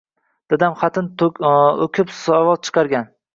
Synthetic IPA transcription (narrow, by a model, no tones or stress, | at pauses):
d̪̥ɪd̪amχɑt̪ʰɪn | okʲʰɪpsɒvɒz̚t͡ʃʰɨ̥qʰɑɾɡʲan